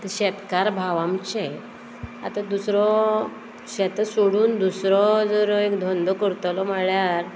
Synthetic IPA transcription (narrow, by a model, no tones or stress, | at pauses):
t̪əɕɛt̪kaɾbʱaʋamt͡ɕe | a̰t̪ad̪usɾɔ | ɕɛt̪asoɽuːnd̪usɾɔd͡zəɾɔekd̪ʱɔnd̪ɔkəɾt̪lɔməɭjaɾ